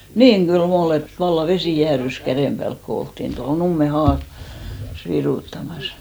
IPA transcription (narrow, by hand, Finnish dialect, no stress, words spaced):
niːŋ ɡ̊ylm ol et ʋɑlːɑ ʋesi jæːrys kæreˑm b̥æːlk ko oltːin toho numːe hɑː s ʋiruˑtːɑmɑs